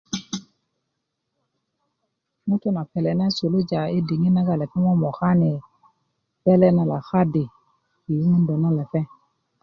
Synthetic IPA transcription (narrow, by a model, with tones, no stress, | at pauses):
mũ˦to˦na˨pɛ˨lɛ˨na˦so˨lo˦d͡ʒa˨e˦di˨ŋĩ˦na˦ɡa˨lɛ˨pɛ˦mɔ̃˦mɔ˨xa˦nɪ˨ | bɛ˦lɛ˦nã˨la˨xa˦de˨ | ki˨˦mũ˦n˦dɔ˨nã˦lɛ˨fɛ˦